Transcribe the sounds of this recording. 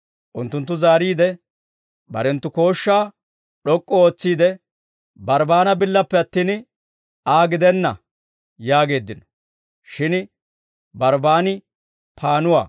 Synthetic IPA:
ʔʊnt̪ːʊnt̪̬ːʊzaːɾiːd̪ɛ | bɐ̰ɾɛnt̪ːʊko̞ːʃːaː | ɗɔkʼːɔoːt͡sːiːd̪ɛ | bɐɾbaːnɐbɪlːɐpːɛɐt̪ːiːn | aːɡɪd̪ɛnːɐ | jaːɡe̞ːd̪ːɪnɔ̥ | ʃɪn | bɐɾbaːnɪ | pʰaːnʊwa̰ː

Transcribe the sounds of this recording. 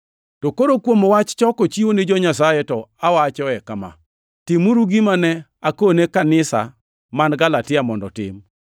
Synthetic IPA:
tokoɾokwomowat͡ʃt͡ʃɔkot͡ʃionɪd͡ʒɔɲasajetɔawat͡ʃɔɛkama̰ | tɪmuɾuɡimanɛ | akonekanɪsa̰ | manɡalatɪamɔndɔ̰tɪ̰m

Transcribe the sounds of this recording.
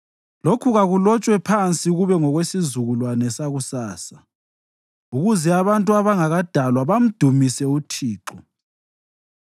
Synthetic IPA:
lokʰuɣaɣulɔt͡ʃʼwɛpʰant͡sʼiuɣuβɛŋɔɣwesizuɣulwanɛsaɣusaːsa | uɣuzɛaβantʼuaβaŋaɣad̥ʱalwaβam̩d̥ʱumisɛutʰiːǁɔ

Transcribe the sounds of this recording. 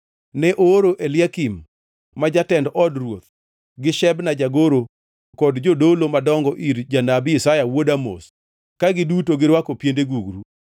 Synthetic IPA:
nɛʔoɾoʔelɪakimː | ad͡ʒatɛndʔɔdrwot̪̚ | ɡɪʃɛbnad͡ʒaɡoɾo | kɔdd͡ʒodolomadɔŋɡɔʔiɾd͡ʒanabɪsajawodamo̰s | kaɡɪdutoɡɪɾwakopjendeɡuɡɾu

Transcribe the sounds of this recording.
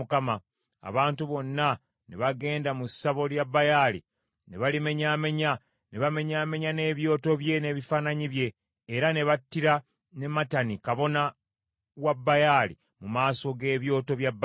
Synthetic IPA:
ukama | a̰βaːntuβo̞nːa | neβaɡe̞ːndamusːaβo̞ljabːajalḭ | neβalime̞ɲaːme̞ɲa | neβame̞ɲaːme̞ɲane̞ːβjo̞ːto̞βje̞ne̞ːβifaːnaɲiβje̞ː | ɾane̞βatːiɾa | ne̞matanikaβo̞na | wabːajaːlḭ | mumaːso̞ɡe̞ːβjo̞ːto̞βjabː

